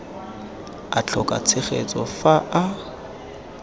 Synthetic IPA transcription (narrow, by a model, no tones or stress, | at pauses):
at͡ɬʰɔkʼa̰t͡sʰɪχet͡sʼɔfaa